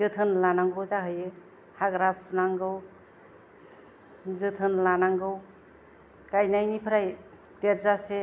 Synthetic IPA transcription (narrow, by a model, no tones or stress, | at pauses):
zɯtʰɯnlanaŋɡɯwzaɦɯje | haɡɾapʰnaŋɡɯw | zɯtʰɯnlanaŋɡɯw | kajnajnipʰɾaj | teɾzase